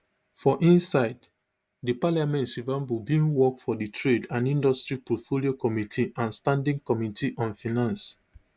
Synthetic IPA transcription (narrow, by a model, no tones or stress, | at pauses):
fɔʔĩnsaɪd | dipalamɛ̃ntsivãmbubĩŋwɔkfɔditʰɹedãnĩndɔstɹipɔtfoliokɔmitʰiʔãnstãndĩŋkɔmitʰiʔɔ̃nfinãns